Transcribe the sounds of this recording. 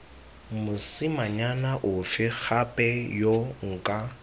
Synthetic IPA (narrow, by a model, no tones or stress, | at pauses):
mʊsɪmaɲanaʔʊfɪk͡xʰapʼɛjoŋ̩kʼa